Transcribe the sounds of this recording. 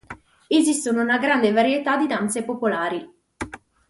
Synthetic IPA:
ezist̪onounaɡɾand̪evaɾjet̪ad̪ːid̪ant̪sepopolaːɾi

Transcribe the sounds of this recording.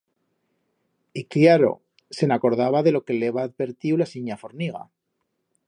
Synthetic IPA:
ikljaɾo̞̰ | se̞nako̞ɾðaβaðe̞lo̞ke̞leβaːðβe̞ɾt̪iwlasiɲafo̞ɾniɣ̞a̰

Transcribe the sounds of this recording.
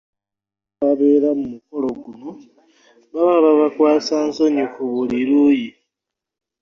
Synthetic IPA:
βaβeɾamumuko̞lo̞ɡuno̞ | βaβaβaβakwaːsaːnsoɲikuβuliɾuːji

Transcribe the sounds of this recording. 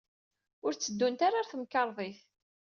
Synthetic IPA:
ʊɾt͡sːəd̪ːunt̪aɾaθəmkːɑɾˤðˤiθ

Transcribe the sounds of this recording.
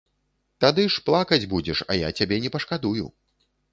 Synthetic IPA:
t̪ad̪ɨʂplˠakɐd͡zʲbud͡zʲɛʂɐ̰ja̰t͡sʲabʲɛnʲɛpɐʂkad̪ujṵ

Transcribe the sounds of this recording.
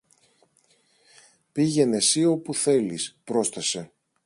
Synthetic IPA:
piʝe̞ne̞sio̞puθe̞lispɾo̞st̪ɐse̞

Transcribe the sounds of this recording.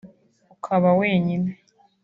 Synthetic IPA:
ukʰaβaweːɲine

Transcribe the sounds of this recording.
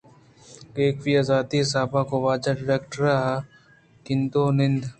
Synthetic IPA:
ɡeːkʋiazaːd̪isaːbakoʋaːd͡ʒaɖɪɾeːkʈɾɐɦa | kɪnd̪oːnɪnd̪ʱ

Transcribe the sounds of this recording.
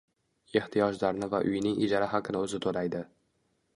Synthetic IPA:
e̞ht̪ʰijɒd͡ʒlaɾnɪvaʔʊ̰jnɪŋʔɪd͡ʒaɾaɦaqʰɨnɪɵzɪt̪ʰolajd̪ɪ

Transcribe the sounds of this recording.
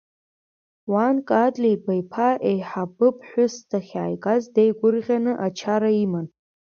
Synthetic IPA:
wankʼadlijbajpʰaʔejħabɨpʰʼħʷʊstʰaχʲaːjkʼazdejɡʷʊrʁʲanɨʔat͡ʃʰaɾaiman

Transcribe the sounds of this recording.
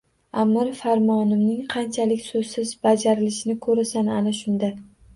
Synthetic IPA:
amːɪɾfaɾmɒnɪmnɪŋqʰɑnt͡ʃʰalɪkʲsɵz̥sɪzbad͡ʒaɾɪlɪʃɪnɪkʰɵɾasana̰naʃʊnd̪a

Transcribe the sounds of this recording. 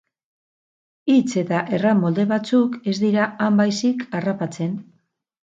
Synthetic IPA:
it͡se̞t̪aʔe̞ramo̞ld̪e̞βat͡suke̞zd̪iɾaambajsikʰarapat͡se̞n

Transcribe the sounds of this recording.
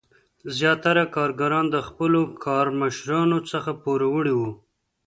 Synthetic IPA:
zjɑt̪aɾakɑɾɡaɾɑnd̪əxpəlokʰɑɾməʃɾɑnot͡səxapoɾawəɽiwu

